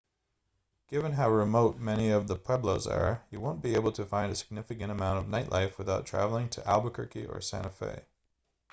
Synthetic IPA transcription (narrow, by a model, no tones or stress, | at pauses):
ɡ̥ɪvɨ̃nɦaʊɹɨmoʊt̚mɛñiʌvðəpʰɛbloʊzə̰˞jɨwõʊ̃nb̥ieɪbl̩ˠtʰɨfãɪ̃ndɨsɨ̥ɡ̥̚nɪfɨkɨ̃ñəmãʊ̃ñʌvnaɪʔˡlʔa̰ɪfwɨθaʊtʰɹ̥æ̰vl̩ˠɪ̃ŋtʰɨʔæ̰lˠbəkʰɜ̰˞kiʔə̰˞sæ̰̃ñɨfḛɪ